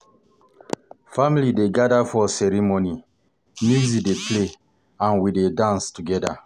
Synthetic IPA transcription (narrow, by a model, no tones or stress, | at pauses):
familideɡadafɔsɛɾimoni | muzideple | ãnwidedãnstuɡɛda̰